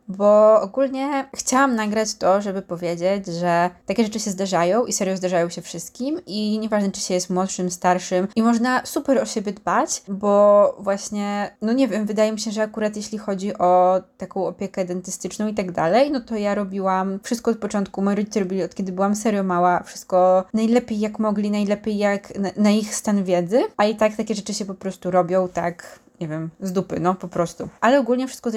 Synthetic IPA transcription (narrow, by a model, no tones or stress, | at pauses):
bɔɔɡulɲɛxt͡ɕawamnaɡɾat͡ɕt̪ɔʐɛbɘpɔvʲjed͡ʑed͡ʑʐɛt̪akʲɛʐɛt͡ʂɘɕɛzd̪aʐajɔ̃w̃ʔisɛɾjɔzd̪aʐajɔ̃w̃ɕɛfʂɘst̪̚kʲimʔiɲɛvaʐnɛt͡ʂɘ̥ɕɛjɛst̪mwɔt̪ʂɘmst̪aɾʂɘmʔimɔʐnasupɛɾɔɕɛbʲjɛd̪bat͡ɕbɔvwaɕɲɛnɔɲɛvʲjɛmvɘd̪ajɛmʲiɕɛʐɛakuɾat̪jeɕlʲixɔd͡ʑiʔɔt̪akɔ̃w̃ɔpʲjɛkɛd̪ɛnt̪ɘst̪ɘt͡ʂnɔ̃w̃it̪aɡd̪a̰lɛjnɔt̪ɔjaɾɔbʲiwamfʂɨst̪kɔɔt̪̚pɔt͡ʂɔnt̪̚kumɔjiɾɔd͡ʑit̪ɛɾɔbʲilʲiɔt̪kʲɛd̪ɘbɘwamsɛɾjɔmawafʂɘ̥st̪̚kɔnajlɛpʲjejːakmɔɡlʲinajlɛpʲjejːaknanaixst̪anvʲjɛd̪zɘait̪ak̚t̪akʲɛʐɛt͡ʂɘɕɛpɔpɾɔst̪uɾɔbʲjɔ̃w̃t̪ak | ɲɛvʲjɛmzd̪upɘ̰nɔpɔpɾɔst̪uʔalɛɔɡulɲɛfʂɘst̪̚kɔz